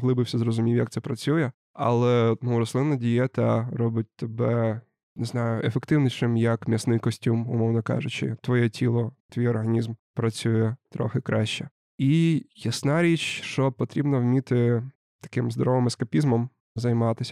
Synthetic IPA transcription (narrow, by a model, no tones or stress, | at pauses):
ɦlˠɪbɪwsʲɛzrɔzʊmʲiwʲjɐkt̪sɛpɾɐt͡sʲujɛ | ɐ̰lˠɛnuɾɔslˠɪnːɐdʲijɛt̪ɐɾɔbʊt̚ʲt̪ebɛ | nɪznɑjʊefekt̪ɪwnʲiʃɪmjɐkmʲisnɪjkɔsʲtʲumʊ̰mɔwnɐkɑ̰ʒʊt͡ʃɪ̰t̪ʋɔjɛtʲilˠɔt̪ʋʲijɔrɦɐnʲizmpɾɐt͡sʲujɛt̪ɾɔ̰xɪkɾɑʃt͡ʃɛ | ijɐsnɑɾʲit͡ʃʃt͡ʃɔpɔt̪ɾʲibnɐwmʲit̪ɪ | t̪ɐ̥kɪmzd̪ɔɾɔʋɪmɛskɐpʲizmɔm | zɐjmɑt̪ɪsʲ